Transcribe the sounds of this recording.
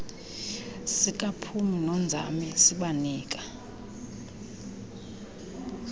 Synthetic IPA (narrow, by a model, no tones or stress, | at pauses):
sik̬ʼapʰuminɔnd͡zʱa̰misiɓaniːk̬ʼḁ